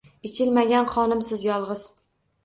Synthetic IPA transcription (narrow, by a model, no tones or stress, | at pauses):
ɪt͡ʃʰɪlmaɡʲanχɒnɪmsɪzjɒlˠʁɨz̥